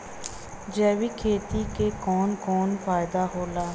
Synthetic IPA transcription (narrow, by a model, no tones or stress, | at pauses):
d͡ʒɛːʋiːkʰeːt̪iːkekɔːnkɔːnfʰaːɪd̪aɦoːlaː